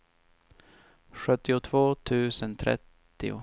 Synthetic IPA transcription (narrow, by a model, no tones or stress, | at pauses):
ɧɵt̪ːɪʊt̪ʰvoːt̪ʰʉ̟ːsənt̪ʰɾɛ̰t̪ːɪ̰ʊ̰